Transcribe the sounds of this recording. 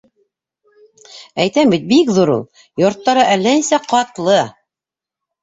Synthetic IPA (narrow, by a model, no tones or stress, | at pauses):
æjt̪æmbit̪̚bikðuɾṵlˠ | jŏɾt̪ːɑɾɤʔælːæinsæqɑt̪lˠɤ